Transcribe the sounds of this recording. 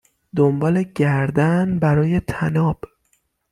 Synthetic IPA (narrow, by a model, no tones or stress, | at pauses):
d̪ombɒːle̞ɟæɾd̪ænbæɾɒːje̞t̪ʰænɒːb̥